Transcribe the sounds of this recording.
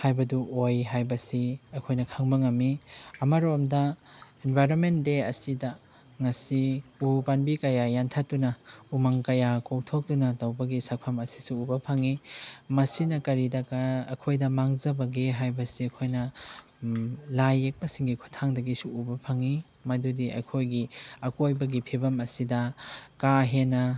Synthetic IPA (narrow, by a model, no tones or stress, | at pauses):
hajbɐduojɦajbɐsiɐkʰojnɐkʰaŋbɐŋɐmːiɐmɐɾomdɐenbʱajɾonmentdeɐsidɐ | ŋɐsiupanbikɐjajantʰat̚ːunɐumaŋkɐjakok̚tʰok̚tunɐtɐwbɐɡisak̚pʰɐmɐsi̥suːbɐpʰaŋimɐsinɐkɐɾidɐkɐɐ̰kʰojdɐmaŋzɐbɐɡeɦajbɐsiɐkʰojnɐ | lajːek̚pɐsiŋɡikʰu̥tʰaŋdɐɡisuubɐpʰɐŋi | mɐdudiɐ̰kʰojɡiɐkojbɐɡipʰibɐmɐsidɐkaɦenɐ